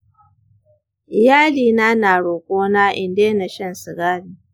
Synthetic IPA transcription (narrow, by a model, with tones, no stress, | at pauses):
ʔɪ˨jaː˦liː˨naː˦naː˨ɽoː˨kʷoː˦naː˦ʔɪ˨ndeː˦na˨ʃɐ˦˨nsɪ˨ɡaː˦mi˨